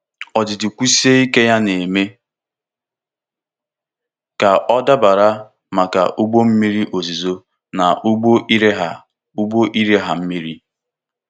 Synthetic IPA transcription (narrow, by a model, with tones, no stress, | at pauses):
ɔ˨d͡ʒɪ˨dɪ˨kʷu˦si˦e˦i˦ke˦ja˦ne˨me˦ | ka˨ʔɔ˦da˦ba˨ɾa˦ | ma˨ka̰˨ʔu˦ɡ͡bo˦m̩˦mi˦ɾi˦ʔo˨zi˨zo˦ | na˨ʔu˦ɡ͡bo˦ʔi˦ɾe˦ɦa˨ | u˦ɡ͡bo˦ʔi˦ɾe˦ɦa˨m̩˦mi˦ɾi˦